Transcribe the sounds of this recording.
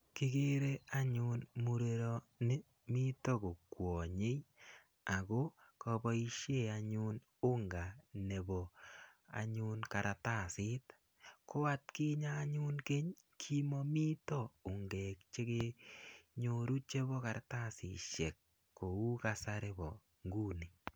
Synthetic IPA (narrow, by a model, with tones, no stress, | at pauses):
kɪ˦ɡe˦ɾe˦a˦ɲʊ˦nmu˦ɾe˦ɾɔ˦nɪ˦ | mi˦to˦ko˨kwɔ˨ɲe˦j | a˨ɡo˦kɔ˨bɔ˦i˦ʃe˦˨a˨ɲu˦n | ʊ˦ŋɡa˨ne˨bɔ˨a̰˨ɲʊ˦nka˨ɾʔa˨ta˦˨sɪ˦t | ko˦a˦t̚kɪ˦ɲaː˦ɲu˦nke˦ɲ | kʰi˦mɔ˦mi˦tɔ˦ʊ˨ŋɡɛ˨kt͡ʃe˦ke˦ | ɲo˦ɾu˦t͡ʃe˦bɔ˦ka˨ɾata˦sɪ̰˨ʃe˨kː | o˨u˦ka˦saɾe˦bɔ˨ | ŋɡu˦ni˨